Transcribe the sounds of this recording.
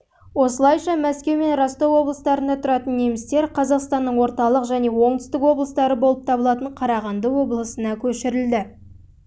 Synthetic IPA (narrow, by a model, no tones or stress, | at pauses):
wo̞səlˠɑjʃɑmæskʲe̞wme̞nrɑst̪owo̞blˠəst̪ɑɾənd̪ɑt̪ʰʊɾɑt̪ənːe̞mɪst̪e̞ɾqʰɑzɑqst̪ɑnːəɴwo̞ɾt̪ɑlˠəqʒæne̞wo̞ɴt̪ʏ̥st̪ɪkwo̞blˠəst̪ɑɾəbo̞lˠəp̚t̪ʰɑbəlˠɑt̪əɴqʰɑɾɑʁɑnd̪əwo̞blˠəsənɑkʲʰɵʃɪɾɪld̪ɪ